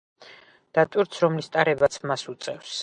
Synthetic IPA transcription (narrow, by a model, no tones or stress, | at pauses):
d̪̥at̪ʼwiɾt̪sʰɾɔmlist̪ʼaɾɛbat̪sʰmasut̪sʼɛfs